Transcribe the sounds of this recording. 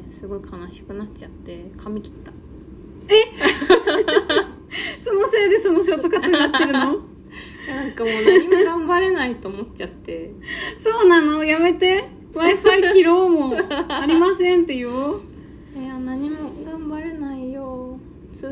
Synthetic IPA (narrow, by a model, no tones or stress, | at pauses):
sɨɡo̞ikʰanaɕi̥kɯ̟nat͡ɕat̪ːe̞kʰamʲikʲi̥t̪ːḁ | e̞ | so̞nose̞ːd̪e̞sonoɕ̬oːt̪ːokat̪aat̪ːeɾɯ̟no | nãŋkamoːnaɲ̟imo̞ɡãmbaɾe̞nait̪o̞ːmo̞tt͡ɕat̪ːe̞ | so̞ːnano̞jame̞t̪e̞ | maipaiiɾo̞ːmoaɾʲimasẽ̞nt̪e̞jɯ | anaɲ̟imo̞ɡãmbaɾe̞naijo | t͡sɨ